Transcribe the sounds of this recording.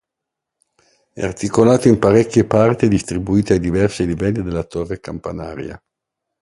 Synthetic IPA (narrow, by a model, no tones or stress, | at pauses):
ɛ̰art̪ikolaːt̪oimpaɾɛkʲːjepart̪id̪ist̪ɾibuiːt̪eajd̪ivɛrsilivɛlːid̪elːat̪orːekampana̰ːɾja̰